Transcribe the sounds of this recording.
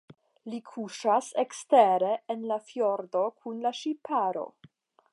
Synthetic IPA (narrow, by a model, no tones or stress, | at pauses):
likʰuʃaseksteɾeːnlafjo̞ɾdo̞kʰunlaʃipʰaɾo̞̰